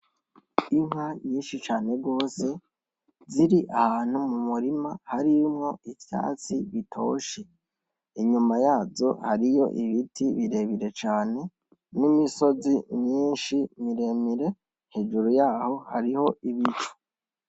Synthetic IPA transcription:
iŋ̥haɲiːnʃit͡ʃaːne̞ɡo̞ːse̞ | ziɾiʔahaːn̥humumuɾimahaɾimŋo̞ifja̰ːt͡siβitʰo̞̰ːʃe | iɲumajaːzo̞̰haɾijo̞̰ʔiβitʰiβiɾe̞βiɾe̞t͡ʃaːne̞ | nimiso̞zimɲiːnʃimiɾe̞miɾe̞ | n̥he̞ːʒuɾujaːho̞ha̰ɾiho̞iβit͡ʃu̥

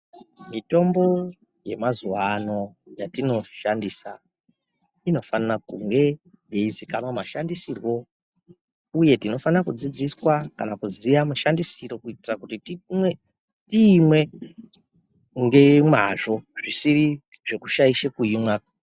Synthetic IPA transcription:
mito̞mbo̞ | je̞mazuwano̞jatino̞ʃandisa | ino̞fanakuŋɡe̞ | jeizikamwamaʃandisirwo̞ | uje̞tino̞fanrakud͡zid͡ziswakanakuzijamuʃandisiro̞kuitirakutiti | tiːmwe̞ | uŋɡe̞mwaʐo̞ʐisiri | ʐe̞kuʃaiʃekuimwa

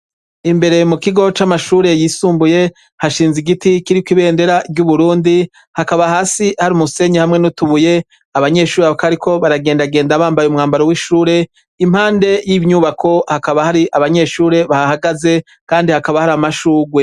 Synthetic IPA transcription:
imbe̞ɾe̞mukiɡo̞t͡ʃamaʃuːɾe̞jiːsuːmbuje̞ | haʃiːnziɡitikiɾikwiβe̞ːnde̞ɾaɡɟuβuɾuːndi | hakaβahaːsihaɾimuse̞ɲehamŋe̞nutuβuje̞ | aβaɲe̞ʃuːɾeakaɾikʰo̞βaɾaɡe̞ːndaɡeːndaβaːmbajumŋaːmbaɾowiʃuːɾe̞ | im̥haːnde̞jivɲuβakʰo̞hakaβahaɾiʔaβaɲe̞ʃuːɾe̞βahahaɡaze̞ | kaːndihakaβahaɾamaʃuːɡwe̞

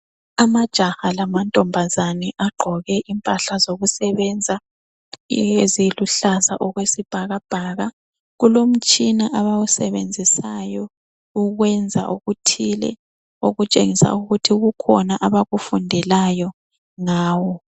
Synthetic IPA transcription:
amad̥ʒ̥ʱahalamantʼɔmbʱazanɛʔaɡ͡ǃʱɔɣɛʔimpʼaɬazoɣusɛβɛnd͡zʱa | eziluɬaza̰ʔɔɣwesib̥ʱaɣab̥ʱaːɣa | ɣulom̩t͡ʃʼinaʔaβawusɛβend͡zʱisajɔ | uɣwɛnd͡zʱa̰ʔuɣutʰilɛ̰ | o̰ɣut͡ʃʼḛŋisa̰uɣutʰiuɣukʰɔnaʔaβaɣufundʱɛlajɔ | ŋaːwɔ

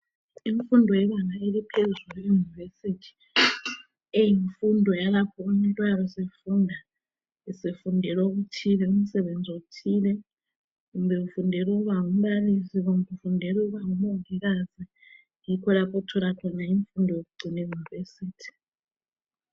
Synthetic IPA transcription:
iɱfundʱɔjɛβanaelipʰezulijunivesitʰi̥ | ejiɱfundʱɔjalapʰɔumɛntʼwaβɔsefuːndʱa | isefundʱɛloɣutʰilɛum̩sɛβend͡zʱoutʰilɛ | ɣumbʱɛɣufundʱɛlukuβaŋum̩ɓalisiɣumbɛufundʱɛluɣuβaŋumɔŋʱɛɣazi | jikʰɔlapʰɔtʰɔlakʰɔnaiɱfundʱɔjokuɡ͡ǀʱinejunivesiːtʰi̥

